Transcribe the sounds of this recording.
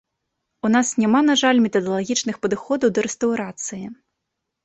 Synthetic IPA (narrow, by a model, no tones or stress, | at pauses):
unasnʲamanaʐalʲmʲɛt̪ɐd̪ɐlˠaɣʲit͡ʂnɨxpɐd̪ɨxɔd̪ɐwd̪ɐɾɛst̪ɐwɾat̪sɨji